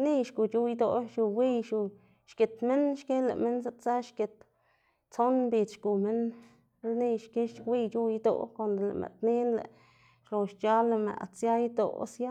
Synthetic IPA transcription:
ni˦˧ʃku˨t͡ʃu˦jd̪o˧˨ʃu˨wi˦jʃu˨ | ʃke˨t̪me˦nʃke˦lḛ˨ʔme˦ns̬a˦t͡sa˦ʃke˨t̪ | t͡so˦nmbi˧d̪ʃɡu˨me˦n | lni˧ʃke˦ʃwi˧jt͡ʃu˦jd̪o̰˧ko˨nd̪lḛ˨mʔḛ˨ʔt̪ni˦nlḛ˨ | ʃlo˨ʃt͡ʃa˦le˨mḛ˨t͡sja˦jd̪o̰˨sja˦

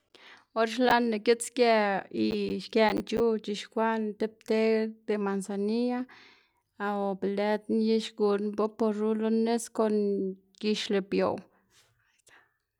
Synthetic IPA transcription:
o˦ɾʃla˦ne˨ke˦t͡skʲa˧i˧ʃka˧nt͡ʃu˦t͡ʃi˧ʃkʷa˦nt̪e˦p̚t̪e˦d̪e˧ma˨nsa˨ni˦a˦˧ | o˨be˨le˦t̪nje˦ʃɡu˧nbo˦po˧ɾɾu˦lo˦ne˦sko˧n | ɡi˧ʃle˨bjo̰˨w | e˦st̪ḁ˨

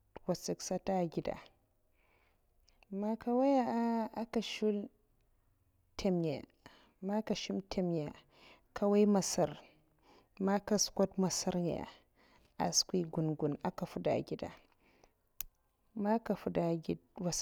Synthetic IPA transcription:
wa˨si˨ksa˦ta˦˨ɡʲi˦da̰˨ | ma˦ka˦wa˦ja˦a˦a˦ka˨ʃu˦l | tʰe˨mja̰˨ | ma˦ka˨ʃi˦mtʰe˦˨mja˨ | ka˦wa˦jma˨sa˦ɾ | ma˦ka˨skʷo˦tma˨sa˦ɾɲa˨a̰˨ | a̰˨skʷi˦ɡu˨nɡu˨na̰˨ka˨fu˦da̰˨ɡʲi˦da̰˨ | ma˦ka˨fu˨da˨ɡwa˨˦

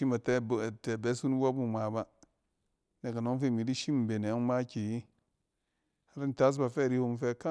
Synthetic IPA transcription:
i˦ma˨te˦˨te˨be˦su˦n˦wa˦bu˦˨ma˨ba˦ | ne˨ka˨no˦ŋ˦fe˦˨mi˨di˦ʃi˦m˨be˨ne˨˦ma˦ki˨ji˦ | ha˨ɾi˦n˨ta˦s̬ba˨fe˦˨ɾi˦hu˦mfe˦ka˦

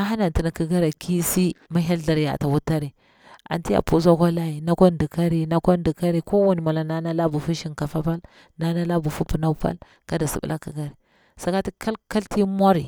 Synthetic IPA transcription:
a˦ɦa˦na˨nti˨na˨kə˦ɡa˦ɾa˨kʰi˦si˦ma˦ɦa˦lɮa˨ɾja̰˨ta˨wu˦tːa˦ɾi˨ | a̰˨nti˦a̰˨pu˦za˦ka˦la˦ji˨na˦ko˦ndi˨ka˦ɾi˨na˦ko˦ndi˨ka˦ɾi˨ko˦wa˨ni˨ma˨la˨na˦na˦la˦bu˨fu˦ʃi˨nka˨fa˦pa˦l | na˨˦na˦la˦bu˨fu˦pu˨na˦pa̰˦l | ka˦da˨sḭ˨bṵ˦lʔa˦kə˨ɡa˦ɾi˨ | sa˨ka˦ti˦kʰa˦lka˦lti˦mʷ˦a˦ɾi˨

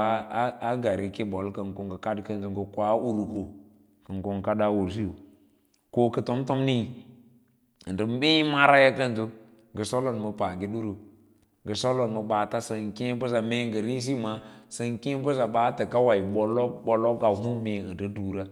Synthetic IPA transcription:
a˦ɡa˨ɾi˨ki˦ɓo˨lkə˨ŋko˨ŋɡə˨ka˦dkə˦nzu˨ŋɡə˨kʷa˦u˦ɾu˨ko˨ | kə˨ŋko˦ŋ˦ka˦da˦wo˨s̬i˦jo˨ | ko˦kə˨to˦m˦to˦mni˦˨ | ə˨ndə˨m˦bi˦ma˦ɾa˦ja˦kə˦ntu˦ | ɡə˨so˦lo˨n˨mə˨pa˨ɡi˦ɗu˦ɾu˨ | ɡə˨so˦lo˨n˨mə˨ɓa˨ta˦sə˨ŋkĩ˦bə˦s̬a˨me˦ŋɡə˨ɾi˦s̬i˦ma˨˦sə˨ŋki˦bə˦s̬a˨ɓa˦tə˨ka˦wa˨i˨ɓo˨lo˦ɓo˨lo˦ka˨ɦu˦me˨ə˨ndə˦du˨ɾa˦

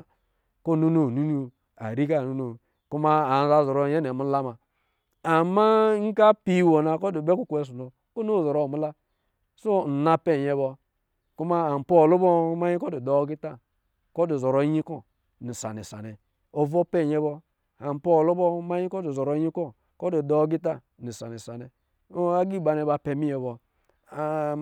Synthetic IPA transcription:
ko˦˨nu˦no˨nu˦nu˦ | a̰˨ɾi˦k̬a˦˨nu˦no˨ | ku˦ma˦a˨n˦za˦˨zo˨ɾo˨˦˨je˦ne˨mu˦la˦ma˨ | a˨mːa˦ŋ̩˦ka˦pi˦wo˨na˨ko˦du˨be˦ku˦ku˦e˨˦s̬u˨no˨ | ko˦no˦˨zo˨ɾo˦˨mu˦la˦ | so˦n̩˨na˦pe˦˨ɲe˨˦bo˦ | ku˦ma˦a˨m̩˨po˦˨lo˦bɔ˦ma˦ɲi˦ko˦di˨do˨˦ɡi˦ta˦˨ | ko˦du˨zo˨ɾo˨˦ɲi˦kɔ˦ | ni˨sa̰˨nḛ˨sa̰˨nɛ˨ | o˨vo˦pe˦˨ɲɛ˦bɔ˦ | a˨m˨po˦˨lo˦bɔ˦ma˦ɲi˦ko˦du˨zo˨ɾo˨˦ɲi˦kɔ˦ | ko˦di˨dɔ˦ɡi˦t̬a˦˨ | ni˨sa˨ni˨sa˨nɛ˨˦ | a˦ɡi˦˨ba˨ne˨˦ba˨pe˨mi˦jɛ˨bɔ˨

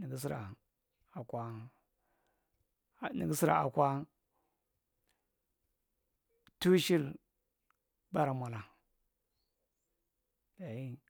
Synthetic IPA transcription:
ni˨ɡi˦s̬i˦ɾa̰˨ | a˨kʷa˦˨ | nḭ˨ɡi˦si˦ɾa̰˨a̰˨kʷa˦ | tu˦ʃi˦l | ba˦ɾa˨mʷa˨la˨ | da˨i˦

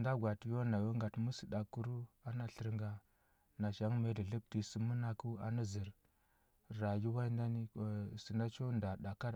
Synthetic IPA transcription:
nda˦ɡʷa˨tjo˦na˨jo˦ŋɡa˨tmu˦si˨da˨kːu˦ɾu˦a˨na˦ɬə˨ɾŋɡa˨ | na˨ʃa˨˦ŋ˦me˦di˨ɮi˦p̚ti˨si˨mu˦na˨ku˦a̰˨na˦zi˨ɾ | ɾa˨ji˦wa˦i˦nda˦ni˦˨si˨na˦t͡ʃo˦nda˨da˨ka˦

